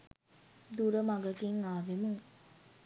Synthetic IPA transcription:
d̪uɾəmaɡəkiŋaːʋemuŋ

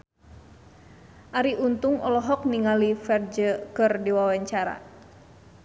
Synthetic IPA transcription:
ʔaɾiʔunt̪uŋɔlɔɦɔk̚niŋalifɛrd͡ʒəkɨrdiwawaɲt͡ʃaɾa̰

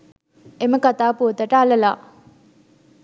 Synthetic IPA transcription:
ʔeməkat̪apod̪əʈ͡ʂaləla

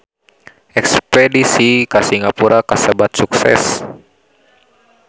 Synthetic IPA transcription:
ɛkspɛdisikasiŋapuɾakasəbat̪̚suksɛ̰s

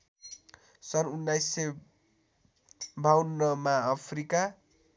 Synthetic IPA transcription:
sʌnunːajsːe | bʱawnːʌmaːpʰrika

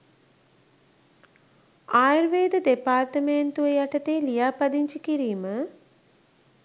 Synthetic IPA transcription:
aːjiɾʋeːd̪əd̪epaːrt̪əment̪uʋejaʈət̪eːlijaːpad̪iɲt͡ʃikiɾiːmə

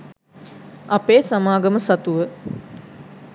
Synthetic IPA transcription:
ɐpeːsamaːɡɐməsat̪uʋə

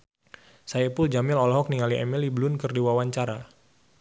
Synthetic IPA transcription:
sajapʊld͡ʒamɪlɔlɔɦɔk̚niŋaliʔɛ̰miliblʊnkərdiwawaɲt͡ʃaɾa

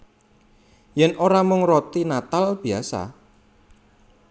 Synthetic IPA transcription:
jɛnʔoɾamʊŋrot̪inat̪alb̥iasa̰

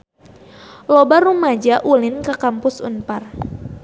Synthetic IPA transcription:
lɔbarumad͡ʒaʔulɪnkəkampʊsṵnpar

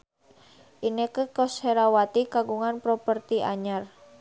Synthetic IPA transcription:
ʔinekəkɔsheɾawat̪ikaɡuŋanpɾopərt̪iʔa̰ɲar

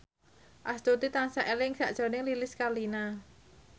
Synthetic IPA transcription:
ʔast̪ut̪it̪ansaʔelɪŋsaʔd̥ʒ̥ɔ̤nɪŋlilɪskalina

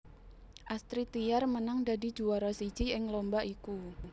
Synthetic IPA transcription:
ʔast̪ɾit̪ijarmənaŋdadi̤̥d͡ʒuaɾɔsi̥d͡ʒ̥iɪŋlombaʔiku

